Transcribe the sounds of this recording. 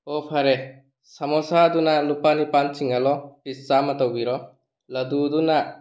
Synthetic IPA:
ɔpʰaɾe | samɔsad̪unalupanipant͡ʃiŋalɔpisamat̪ɔwbiɾɔ | ləd̪ud̪una

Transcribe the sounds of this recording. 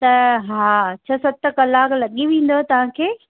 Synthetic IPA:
t̪ɐɦat͡ɕʰasɐt̪ɐkɐlaːklɐɠiʋẽːn̆d̪oɛt̪ɐʋ̤ãkʰeː

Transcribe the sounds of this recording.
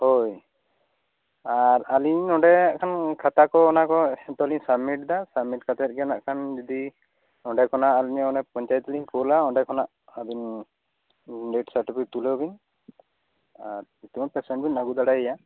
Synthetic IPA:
hoj | aɾaliɲɔɖɛaʔkʰankʰat̪akɔːnakɔt̪ɔlinsabmiʈ̚d̪asabmiʈkʰat̪at̪̚ɡɛnaʔkʰand͡ʒɔd̪i | ɔɳɖɛkʰɔnaʔalinɔɔnɛpɔɲt͡ʃajt̪ɔlinkɔlaɔɳɖɛkʰɔnaʔ | abin | ɖeʈsaɾʈipʰik̚t̪ulebin | aɾit̪imɔpɛsɛɳʈbinaɡud̪aɽaɛja

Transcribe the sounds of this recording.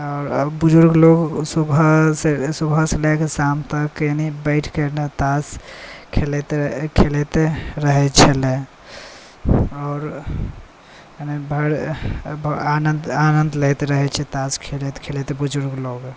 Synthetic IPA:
ɔːɾbud͡ʒuɾɡloɡsubʱəsesubʱəselɛkesamt̪əkjenibəɪʈʰkəɾnet̪askʰelet̪ekʰelet̪eɾəɦɛt͡ʃʰɛle | ɔːɾ | nebʱəɽbanənd̪anənd̪let̪eɾəɦɛt͡ʃʰɛt̪askʰelɛt̪kʰelɛt̪ebud͡ʒuɾɡloɡ

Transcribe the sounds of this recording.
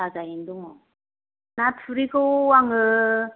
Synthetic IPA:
ad͡ʑaind̪uŋɔ | natʰuɾiɡowaŋɯ

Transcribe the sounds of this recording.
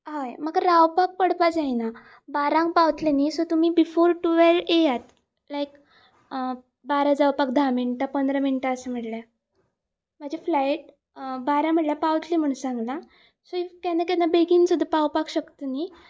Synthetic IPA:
ɦajmaɡɾawpak̚pəɽpad͡zajna | baɾãŋɡ̚pawt̪lenisot̪umiːbifoɾʈuʋelejat̪ | lajk | baɾad͡zawpak̚d̪ʱaminʈapənd̪ɾəminʈaəsəm̤əɽlja | m̤ad͡ʑʱaflajʈ̚ | baɾãm̤əɽljapawt̪liːm̤əɽ̃ũnsãŋɡla | soikanakanːabeɡiːnsud̪ʱːapawpakɕəkt̪əni

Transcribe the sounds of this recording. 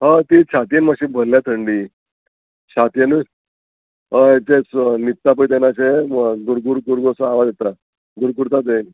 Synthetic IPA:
ɦət̪it͡ɕʰat̪ijenmaɕiːbʱəlːjat̪ʰəɳɖiː | t͡ɕʰat̪ijenu | əet͡ɕesnit̪ːap̬əit̪enat͡ɕeɡ̪uɾɡuɾɡuɾɡosəaʋad̪et̪a | ɡ̪uɾɡuɾt̪ad̪en

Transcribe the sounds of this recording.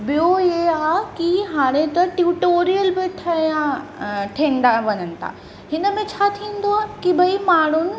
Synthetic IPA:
bijoeaːkiɦaːɽ̃et̪ɐʈjuʈoːɾijəlbɪʈ̪ʰɐjãʈʰẽːnd̪aʋɐɲənɪ̆t̪ʰa̰ː | ɦɪnə̆mẽt͡ɕʰaːt̪ʰĩːnd̪oaːkibʱɐimaːɽ̤̃ʊn̆

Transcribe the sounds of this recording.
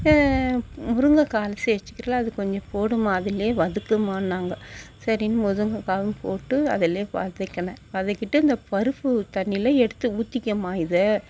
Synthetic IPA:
mʊɾɯŋɡɐkaːlɐsiɛt͡ʃːɯ̥kːɪɾɐlɐɐðɯkɔɲd͡ʒɔ̃poːɽɯmaːɐðɪleːʋɐðɯkːɐmaːnːaːŋɡɐsɐɾinːɯmʊðɯŋɡɐkaːʋɯmpoːʈːɯɐ̰ðɪleːʋɐ̰ðɯkːɐɳɐ̃ʋɐðɯkːɪʈːɯɪnd̪ɐpɐɾɯpːɯt̪ɐɳːɪlɐɛɽɯt̪ːɯuːt̪ːɪkːɐmaːjɪðɯ

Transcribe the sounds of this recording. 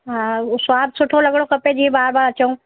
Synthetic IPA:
ɦãswaːbsʊʈʰõlɐɡɽokɐped͡ʒiebaːɾbaːɾɐt͡ʃoũ

